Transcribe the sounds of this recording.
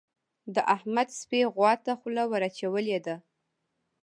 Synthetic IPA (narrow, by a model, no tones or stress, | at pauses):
d̪əʔahmad̪speɣwɑt̪axlawəɾat͡ʃawəled̪a